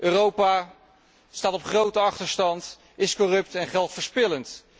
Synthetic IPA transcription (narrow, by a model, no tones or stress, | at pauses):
ʔøːrowpa | staːtɔpχrowtəɑχtəɹstɑnt | ɪskɔrɵp̚tɛnχɛlˠtfəɹspɪlənt